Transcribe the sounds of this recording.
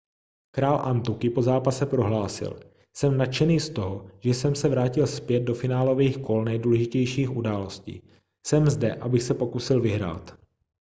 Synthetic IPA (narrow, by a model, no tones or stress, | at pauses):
kɾaːlʔant̪ukɪpo̞zaːpasɛpɾo̞ɦlaːsɪ̰l | sɛmnat̪t͡ʃɛniːst̪o̞ɦoʒ̥ɛsɛmsɛvɾaːcɪlspjɛd̪̚do̞fɪnaːlo̞viːxko̞lnɛjduːlɛʒɪcɛjʃiːxʔudaːlo̞scḭː | sɛmzdɛʔabɪxsɛpo̞kusɪlvɪɦɾa̰ːt̪